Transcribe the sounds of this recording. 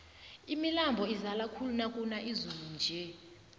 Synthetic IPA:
imilambʱɔizalakʰulunakʼunaʔizulund͡ʒʱɛ

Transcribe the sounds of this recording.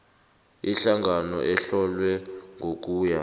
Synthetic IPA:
iɬaŋanɔ̰ʔɛɬɔlwɛŋʱok̬ʼuːja

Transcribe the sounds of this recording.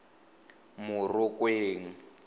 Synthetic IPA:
mʊrʊkʼweːŋ̩

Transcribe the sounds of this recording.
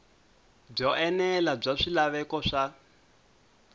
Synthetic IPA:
b͡ʐɔɛnɛlab͡ʐaʂilaβɛkɔʂa

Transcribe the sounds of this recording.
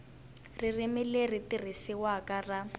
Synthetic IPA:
ririmileritirisiwakara

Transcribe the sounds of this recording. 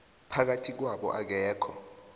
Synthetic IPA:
pʰak̬atʰik̬waɓɔ̰ʔak̬ɛːkʰɔ

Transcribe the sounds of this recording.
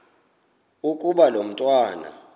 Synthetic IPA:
ukʼuɓalom̩tʼwaːna̰

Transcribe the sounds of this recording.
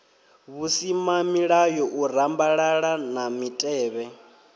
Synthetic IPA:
βusimamiɺajɔʔuɾ̤ambaɺaɺanamitʼɛːβɛ

